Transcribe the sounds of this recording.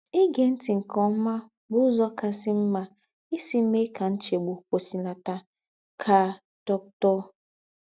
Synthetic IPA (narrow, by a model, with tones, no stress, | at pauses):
i˦ɡe˨n̩˦ti˨ŋ̩˨kɔ˨m̩˦ma˦ | bʊ˦zɔ˦ka˨sɪ˦m̩˦ma˦ | i˦si˦me˦ka˨n̩˦t͡ʃe˨ɡ͡bo˨kʷo˨si˨la˨ta˦ | kʰa˨ | dɔ˦k̚tɔ˦